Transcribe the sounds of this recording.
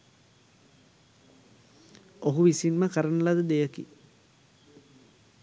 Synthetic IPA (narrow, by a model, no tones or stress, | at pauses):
oɦuʋisinməkəɾənəlad̪əd̪ejəkḭ